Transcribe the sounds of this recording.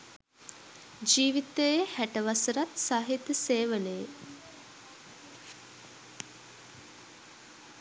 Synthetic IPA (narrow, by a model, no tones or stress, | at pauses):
d͡ʒiːʋit̪əjehæʈəʋasəɾat̪saːɦit̪əseːʋələje